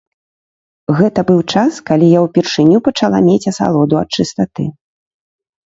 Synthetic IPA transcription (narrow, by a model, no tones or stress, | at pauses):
ɣɛt̪ɐbɨwt͡ʂaskalʲijawpʲirʂɨnʲupɐt͡ʂalˠa̰mʲet͡sʲɐsa̰lˠɔd̪uɐt̪̚t͡ʂɨst̪at̪ɨ̰